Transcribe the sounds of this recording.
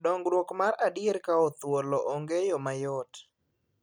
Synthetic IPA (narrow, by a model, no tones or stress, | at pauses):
dɔŋɡɾwokmaɾadɪeɾkaɔt̪wolɔʔɔŋɡejɔmajɔt